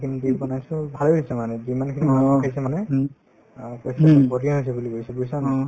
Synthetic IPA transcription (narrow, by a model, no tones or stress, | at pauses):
kʰinizibɔnajsʊ̃bʱalojsɛmanɛzimankʰinimakʰajsɛmanɛ | kɔjsbɔdijaɦojs̬ɛbuliɡojsɛbujsan